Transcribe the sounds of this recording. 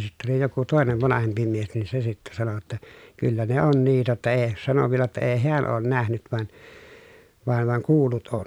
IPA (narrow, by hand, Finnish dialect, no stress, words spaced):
sitːæ oli joku toˑeneʋ ʋɑnɑhempi mies nin se sitːæ sɑno tːɑ kylːæ ne on niːtæ tːæ eː sɑno ʋielæ tːæ eː heæn oːn næhnyt ʋɑn ʋɑn ʋɑŋ kuːlˑut on